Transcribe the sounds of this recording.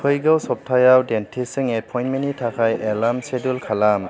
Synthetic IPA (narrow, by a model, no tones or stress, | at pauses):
kʰɯjɡɯwsɔp̚tʰajawdentʰisɯŋepʰɔj̃ntmenitʰakʰajelamsedulkʰalam